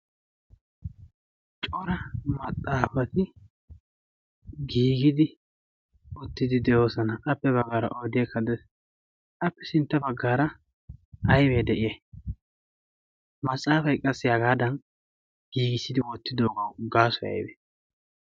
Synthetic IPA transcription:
t͡ʃʼɔɾɐmɐt̪ʼːaːfɐt̪ɪ | ɡiːɡɪd̪ɪ | ɔt̪ːɪd̪ɪd̪ɛjo̞ːsɐnɐʔɐpːɛbɐɡːaːɾɐ̰ʔoːd̪ɪɛkːɐd̪ɛs | ʔɐpːɛsɪnt̪ːɐbɐɡːaːɾɐ | ʔɐjbeːd̪ɛʔɪjɛ | mɐsʼaːfɐjkʼɐsːɪɐɡaːd̪ɐn | ɡ̥iːɡɪsːɪd̪ɪwɔt̪ːɪd̪o̞ːɡɐwɡaːsɔjɐ̰jbɛ

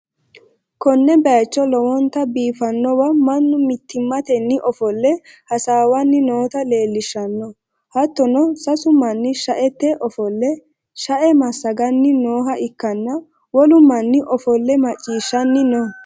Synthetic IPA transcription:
kɔnːɛbɛjt͡ʃːɔlɔwɔnt̪ɐbiːfɐnːɔwɐmɐnːʊmɪt̪ʰːɪmːɐt̪ɛnːɪʔɔfɔlːɛhɐsaːwɐnːɪnoːt̪ɐleːlːɪʃːɐnːɔ | hɐt̪ːɔnɔsɐsʊmːɐnːɪʃɐʔɛt̪ːɛʔɔfɔlːɛ | ʃɐʔɛmɐsːɐɡɐnːɪnoːɦɐʔɪkːɐnːɐ | wɔlʊmːɐnːɪʔɔfɔlːɛmɐt͡ʃʼːiːʃːɐnːɪnɔ

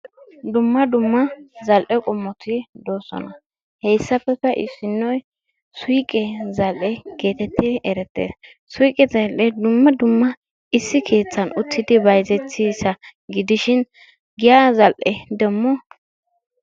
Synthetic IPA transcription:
d̪ʊmːɐd̪ʊmːɐzɐlʔɛkʼʊmːɔt̪ʰɪd̪oːsɔ̰nɐ | hɛjsːɐpːɛpːɛʔɪ̰sːɪnːɔj | sʊjkʼɛzɐlʔɛke̞ːt̪ɛt̪ʰːɪɛɾɛt̪ːḛːs | sʊjkʼɛzɐlʔɛd̪ʊmːɐd̪ʊmːɐ | ɪsːɪkʰe̞ːt͡sːɐnʊt̪ʰːɪd̪ɪbɐjzɛt͡sːisɐɡɪd̪ɪʃɪn | ɡɪjazɐlʔɛd̪ɛmːɔ

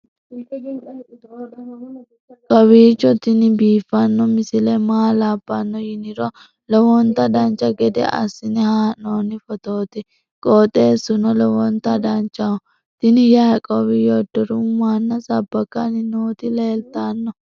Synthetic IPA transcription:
kʼɔβiːt͡ʃːɔt̪ɪnɪbiːfːɐnːɔmɪsɪlɛmaːlaːbːɐnːɔjɪnɪɾɔ | lɔwɔnt̪ːɐd̪ɐnt͡ʃːɐɡɛd̪ɛ̰ʔɐ̰sːɪnɪhaːnoːnɪfɔt̪oːt̪ɪ | kʼoːt̪ʼe̞ːsːʊnɔlɔwɔnt̪ːɐd̪ɐnt͡ʃːɐɔ | t̪ɪnɪjaːkʼɔːbɪjɔd̪ːɔɾʊmaːnːɐsɐbːɐkːɐnɪnoːt̪ɪle̞ːlt̪anːɔ

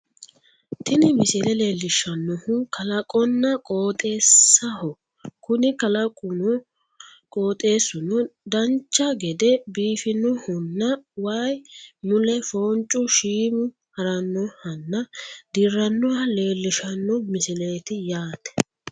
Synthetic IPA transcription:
t̪ɪnɪmɪsɪlɛle̞ːlːɪʃɐnːɔhʊkʰɐlɐkʼɔnːɐkʼoːt̪ʼe̞ːsːɐhɔ | kʊnɪkɐlɐkʼʊnʊ | kʼoːt̪ʼe̞ːsːʊnɔd̪ɐnt͡ʃːɐɡɛd̪ɛbiːfɪnɔhʊnːɐwajmʊlɛfoːnt͡ʃʼːʊʃiːmʊ | hɐɾɐnːɔhɐnːɐd̪ɪrːɐnːɔhɐle̞ːlːɪʃɐnːɔmɪsɪleːt̪ɪjaːt̪ɛ̥

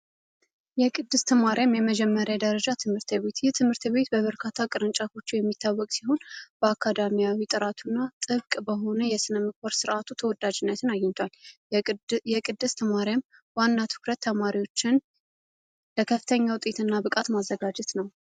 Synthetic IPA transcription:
jɛkʼɨd̪ːɨst̪ʰəmaɾjamjɛməd͡ʒɛmːəɾjad̪əɾəd͡ʒat̪ʰɨmhɨɾt̪ʰβe̞t̪jɛt̪ʰɨmhɨɾt̪βe̞t̪bəβəɾkʰat̪ʰːakʼɨɾɨnt͡ʃʼafo̞t͡ʃːujɛmːit̪ʰːawːɔkʼsiho̞nb̥əakʰːad̪amijawit̪ʼɨɾat̪ʰunːat̪ʼɨβkʼbəɦo̞nəjɛsɨnəmɨkʰoɾsɨɾʔat̪ʰut̪ʰəwɔd̪ad͡ʒɪnːət̪ʰɨnajːɪnt̪ʰwal | jɛkʼɨd̪ːɨst̪ʰəmaɾjam | wanːat̪ʰɨ̥kɾət̪ʰːəmaɾiwo̞t͡ʃːɪn | ləkʰəfːɨ̥t̪ʰəɲːawt̪ʼet̪ʰɨnːabɨkʼat̪mazːəɡad͡ʒɛt̪nəw

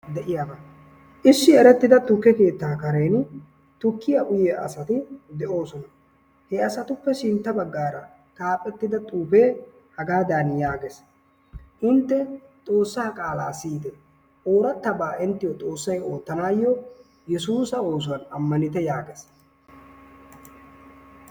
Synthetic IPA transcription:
d̪ɛʔɪjaːbɐ | ʔɪsːɪɛɾɛt̪ːɪd̪ɐt̪ʊkːɛke̞ːt̪ːaːkɐɾɛjnʊ | t̪ʊkːɪjɐʔʊjɛʔɐ̰sɐt̪ɪd̪ɛʔo̞ːsɔnɐ | hɛɐsɐt̪ʊpːɛʃɪnt̪ːɐbɐɡːaːɾɐ | t̪ʼaːpʼɛt̪ːɪd̪ɐt̪ʼuːpe̞ː | hɐɡaːd̪aːnjaːɡes | ʔʊnt̪ːɛt̪ʼo̞ːsːaːkʼaːlaːsiːd̪ɛ | ʔo̞ːɾɐt̪ːɐbaːʔɪnt̪ːɪjɔt̪ʼo̞ːsːɐjo̞ːt̪ːɐnaːjːɔ | jɛsuːsɐo̞ːs̬ʊwɐnɐmːɐnɪt̪ɛjaːɡɛs

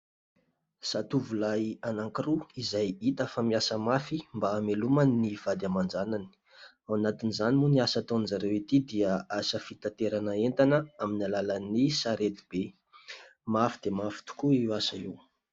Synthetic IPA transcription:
sat̪uvulajanaŋkiruizajit̪əfamiasəmafimbaːmelumanniv̥ad̪amand͡ʒanani̥ | awanat̪inizanimuniasat̪onzaɾewit̪id̪iəasəfit̪at̪eɾanəent̪anəaminalalanisaɾet̪i̥b̥e | mafid̪emafi̥t̪u̥kuiwasaiw

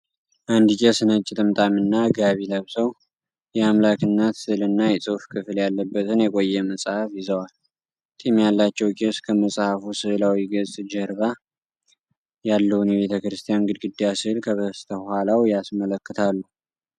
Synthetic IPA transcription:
ʔand̪ɨkʼesɨnət͡ʃʼːɪt̪ʼɨmt̪ʼamɨnːaɡaβiləβsəw | jɛamlakɨnːat̪ɨlɨnːajɛsʼɨfkʰɨfljalːəbːət̪ʰɨnjɛkʼojːɛməsʼhafjɪzəwal | t̪ʼimjalːat͡ʃːɛwkʼeskʰəməsʼhafusɨhlawiɡəzʼd͡ʒɛɾβa | jalːəhwunjɛβe̞t̪ʰəkɾɨst̪ʰijanɡɨd̪ɡɨd̪ːijasɨhlkʰəβəsɨ̥t̪ʰəhalawjasmələkːɨt̪ʰalːu

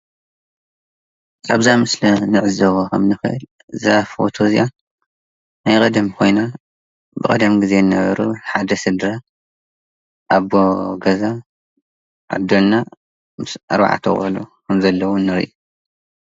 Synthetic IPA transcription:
ʔaβzamɨslɐnɨʕɨzɐwokʰɐmnɨxɨʔɨ̰l | ɨzafo̰t̪ʰozija | najkʼɐd̪ɐmkʰo̞jna | bɨkʼɐd̪ɐmɡɨze̞nːɐβɐ̰ɾuħad̪ɐsɨd̪ɾɐ | ʔaβoɡɐza | ʔa̰d̪olna | mɨsʔa̰ɾβa̰ʕa̰t̪ʰɐ̰xʼɐlukʰɐmzɐlːɐwɔnːɐɾḭʔu

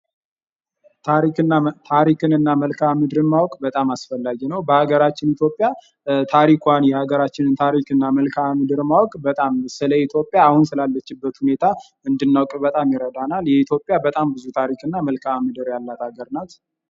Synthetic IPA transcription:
t̪ʰaɾikɨnːat̪ʰaɾikʰɨnɨnːaməlkʰamɨd̪ɨɾɨnmawɔkʼbət̪ʼamasfəlːaɡinəwbəhaɡəɾat͡ʃːɪnit̪jo̞pʼːja | t̪ʰaɾikʰʷanjɛhaɡəɾat͡ʃːɪnɨnt̪ʰaɾikɨnːaməlkʰamɨd̪ɨɾmawɔkʼbət̪ʼamsɨləit̪ʰjo̞pʼːjaːhunsɨlalːət͡ʃːɪbːət̪hune̞t̪ʰa | ɨnd̪ɨnːawkʼbət̪ʼamjɪɾəd̪analjɛit̪ʰjo̞pʼjabət̪ʼambɨzut̪ʰaɾikʰɨnːaməlkʰamɨd̪ɨɾjalːat̪ʰaɡəɾnat̪

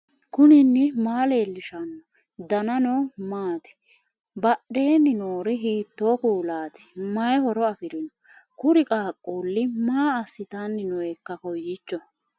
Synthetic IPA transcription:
kʊnɪnːɪmaːleːlːɪʃɐnːɔ | d̪ɐnɐnɔmaːt̪ɪ̥ | bɐɗeːnːɪnoːɾɪɦiːt̪ːoːkuːlaːt̪ɪ̥mɐjhɔɾɔɐfɪɾɪnɔ | kʊɾɪkʼaːkʼːoːlːɪmaːɐsːɪt̪anːɪnɔɛkːɐkɔjːɪt͡ʃːɔ

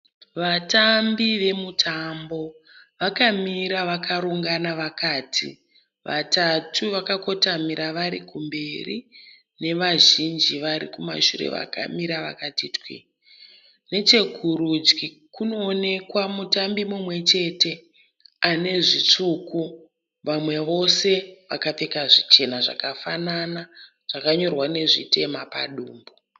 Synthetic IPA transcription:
ʋatambiʋe̞mutʰambo̞ | ʋakamiɾaʋakaɾuŋɡanaʋakaːtʰḭ | ʋa̰tatʰuʋakako̞tamiɾaʋaɾḭkumbe̞ri | ne̞ʋaʒind͡ʒiʋaɾḭkuma̰ʃurḛʋa̰ka̰miɾaʋa̰katitkḭ | ne̞t͡ʃe̞ɡʱuɾud͡ʒɡi | kuno̞ːne̞kwamutambimumwe̞t͡ʃe̞te̞ | ane̞ʐit͡ʂuku | ʋamwe̞ʋo̞se̞ʋa̰kate̞kaʐit͡ʃe̞naʐa̰kafanana | ʐ̥akaɲo̞rwane̞ʐḭte̞mapa̰ɗuːmbo

